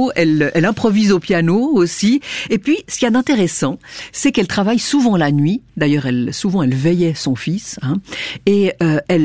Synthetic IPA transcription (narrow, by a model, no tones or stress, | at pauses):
ɛlʔɛlɛ̃pχɔvizopjanoosiepɥisə̥kʲiad̪ɛ̃t̪eʁɛsɑ̃sɛkɛlt̪χavajsuvɑ̃lanɥid̪ajœːʁɛlsuvɑ̃ɛlvɛjɛsɔ̃fisɛ̃eøɛl